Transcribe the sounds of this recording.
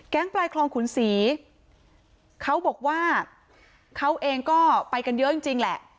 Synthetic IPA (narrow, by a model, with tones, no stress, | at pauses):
kɛ˦˥ŋplaː˧jkʰlɔː˧ŋkʰu˩˦nsiː˩˦ | kʰa˦˥wbɔː˨˩k̚waː˥˩ | kʰa˦˥wʔeː˧ŋkɔː˥˩pa˧jka˧njɤ˦˥ji˧ŋt͡ɕi˧ŋlɛ˨˩ʔ